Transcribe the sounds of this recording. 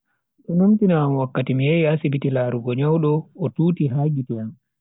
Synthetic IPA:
ɗɛnumtinaːmwakːatimijejasibitilaːɾuɡɔɲawɗɔːtuːtiɦaːɡitɛjan

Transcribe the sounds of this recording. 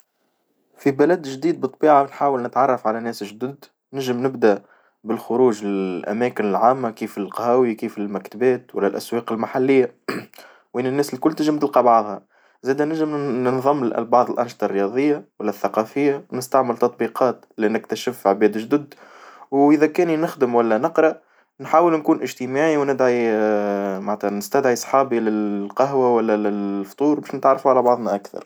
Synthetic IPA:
fibælæd̪ʒd̪iːd̪̚bɨt̪ˤːbiːʕanħaːwəlnɪt̪ʕɑrˤːɑfʕalænɛːsʒd̪əd̪ | nɪʒɪmnɪbd̪aʔ | bɪlxʊɾuːʒɪʔæ̰mɛːkɪnɪlʕaːmːakiːfɪlqɑhæːwikiːfɪlmækt̪bɛːt̪wælːælʔæswɑːqɪlmaħalːɪjːa | wʔɪnːɪnːɛːsɪlkʊlːt̪ɪʒɪmt̪ɪlqɑbɑʕðˤhɑ | zæːd̪ænɪʒɪmnɪnðˤɑmːlʔlbɑʕðˤəlʔanʃt̪ˤɑrːjɑðˤɨjːawælːæθːaqɑfɪjːawnɪst̪aʕmɪlt̪ɑt̪ˤbiːqʰɑːt̪ | linɪkt̪aʃɪfʕbɛːd̪ʒd̪ʊd̪wʔɪðækɛːninɪxd̪əmwælːænɨqɾˤɑʔ | nħaːwəlnkuːnʔɪʒt̪əmaːʕiwnɪd̪ʕi | maʕt̪hænɪst̪æd̪ʕisˤħɑːbilɪqɑɦwawælːælɪft̪ˤuːɾbæːʃnɪt̪ʕɑrˤːɑfuʕalæbɑʕðˤnaʔakθɑ̰ɾˤ

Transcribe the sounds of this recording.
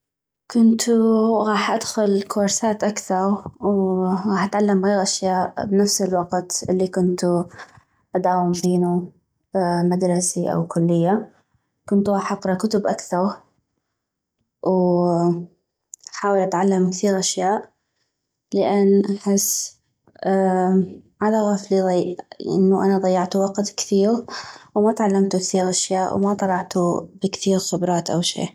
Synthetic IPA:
kʊnt̪ɣɑːħʔad̪xʊlkoɾˤsaːt̪ʔakθɑɾˤwɣɑːħʔat̪ʕalːamɣeːɣʔaʃjaːʔbnafsɪlwɑqt̪ʔɪlːikʊnt̪u | ʔad̪aːwɪmbeːnu | mad̪ɾˤɑsiʔa̰wkʊlːɪjːa | kʊnt̪ɣɑːħʔɑqɾˤɑkʊt̪ʊbʔakθɑɾˤ | w | ħaːwɪlʔat̪ʕalːamkθiːɾʔaʃjaːʔ | lɪʔanːʔaħɪsː | ʕad̪aʔɣaːfliðˤɑʔɪ̰nːʊʔanaðˤɑjːɑʕt̪wɑqt̪kθiːɣwmat̪ʕalːamt̪ʊkθiːɣʔaʃjaːʔw̰mat̪ˤɑlɑʕt̪ubɪkθiːɣxʊbɾˤɑːt̪ʔa̰wʃḭː

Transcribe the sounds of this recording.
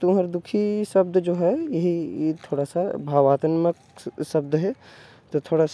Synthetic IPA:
t̪ũɦəɾd̪ʊkʰisɐb̚d̪d͡ʒoːɦɛjɐɦit̪ʰoːɽasabʱaːʋaːt̪ənmək | sɐb̚d̪ɦɛ | t̪ot̪ʰoːɽas

